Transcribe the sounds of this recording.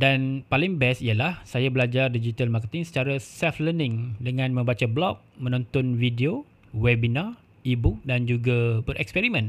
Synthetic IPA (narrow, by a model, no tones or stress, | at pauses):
danpalɪŋbɛsijalahsajabəlad͡ʒardid͡ʒit̪almakət̪ɪŋsə̥t͡ʃaɾasɛflənɪ̃ŋdəŋãnmə̃mbat͡ʃablɔk̚mə̃nɔ̃nt̪ɔnvidio | wɛbina | ibuk̚dand͡ʒuɡabəɾʔɛ̰kspɛɾimə̃n